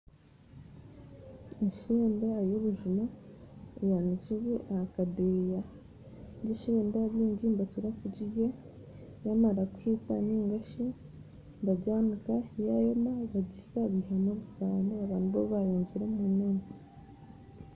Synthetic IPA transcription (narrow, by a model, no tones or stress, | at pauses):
eʃiːndajoβuʒumaejanisuβiʔaakadeja | ɟiʃeːndaβiːɲɟimbaciɾakuɟije | jamaɾakuhit͡sa̰niːŋɡaʃi | mbaɟaːmikajajomaβaɟisaβihamoβusaːneaβaːnhuβoβajoːɲɟiɾemunen